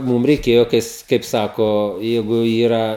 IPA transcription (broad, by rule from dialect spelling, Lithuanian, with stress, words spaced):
ˈmuːm rʲɛɪˈkʲeːjoː ˈkɐɪs ˈkɐɪp ˈsɑːkoː ˈjɛɪɡʊ ˈiːrɐ